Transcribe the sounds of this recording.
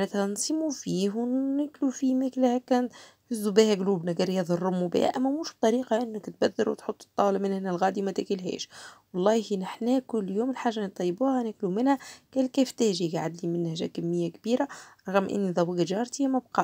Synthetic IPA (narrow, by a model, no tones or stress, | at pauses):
næt̪ænsˤmufiːhwːæklufimæklhækæːnt̪hɪzːubiːhæɡluːbnæɡɑɾjːæðˤɑrˤːʊmubɪ̰hæ̰ʔæmːæmuːʃb̚t̪ˤɑɾiːqɑʔɪnːɪkt̪̚bæd̪ːɪlɾwt̪ħot̪ˤːɨ̥t̪ˤːɑːlɪmɪnhɪnːɪlɣæːd̪imæt̪ækilɦɛ̰ːʃwɑlˤːɑːhihinɪħnæːkʊlːjoːmɪlħaːʒːant̪ˤːɑjːbuːhænæklumɪnhækæːlkæːft̪æːʒiɡʕad̪limɪnːæʒæ̰kæmːɪjːækbiːɾaæɾˤɑɣəmʔɪ̰nːiðˤɑwiɡʒɑːɾˤt̪imæb̚qɑː